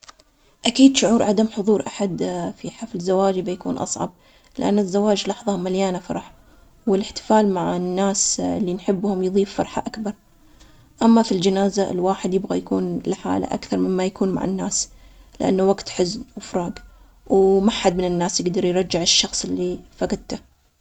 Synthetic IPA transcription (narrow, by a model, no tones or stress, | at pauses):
ʔakiːd̪ʃʊʕuːɾʕad̪amħʊðˤuːɾʔaħad̪fiħaflzːawaːd͡ʒbajakṵːnʔɑ̰sˤʕɑ̰b̚ | lɪʔa̰nːɪzːawaːd͡ʒlɑħðˤɑmaljaːnafɑ̰ɾˤɑħ | wɪlɪħt̪ɪ̥faːlmaʕanːaːsɪlːinħɪbːhʊmjðˤiːfːɑɾˤħa̰ʔakbɑɾˤ | ʔamːafild͡ʒɪnaːzaɪ̰lwaːħɪd̪jɪbɣajakuːnlħa̰ːla̰ʔa̰kθɑɾˤmɪmːajakuːnma̰ʕa̰nːaːs | lɪ̰ʔa̰nːawaɡt̪ħɪznwɪfɾˤɑːɡ | wmaħad̪̚mɪnɪnːaːsjɪɡd̪ɑɾˤjɾˤɑd͡ʒːɪʕɪʃːɑxsˤɪlːifakad̪t̪a